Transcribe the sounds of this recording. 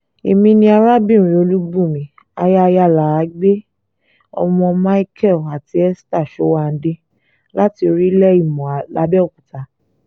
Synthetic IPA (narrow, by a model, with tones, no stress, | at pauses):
e˨mĩ˧nĩ˧a˧ɾa˦bĩ˦˨ɾ̃ĩ˨o˧lu˦bũ˦˨mĩ˨˦ | a˧ja˦˧ja˦˨la˨˦ɡ͡be˦ | ɔ̰˧mɔ̃˧ma˦i˦kʰɛ˦˨a˨ti˧˦ɛ˦sta˦˨ʃɔ˨˦wa˦˨n̩˦de˦ | la˦ti˧o˧ɾi˦lɛ˦i˦˨mɔ̃˨la˨˧˦bɛ˦o˦˨ku˨ta˨˦